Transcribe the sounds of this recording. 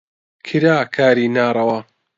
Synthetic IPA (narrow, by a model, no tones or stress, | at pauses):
kʰɨɾaːkʰaːɾiːnaːɾˤɐwa